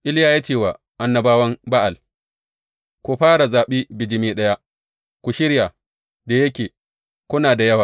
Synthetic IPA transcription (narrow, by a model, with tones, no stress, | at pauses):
ʔɪ˦ljaː˦ji˦tiː˨waː˨ | ʔa˨nːɐ˨baː˦wɐ˦mba˦ʔa˨l | kʷu˨ɸaː˦ɾa˨zaː˨ɓiː˦bɪ˨d͡ʒɪ˨miː˦ɗɐ˦ja˦ | kʷu˨ʃɪ˦ɾja˨ | da˨jɐ˦kʲeː˨ | kʷʊ˦naː˨da˨jɐ˦waː˨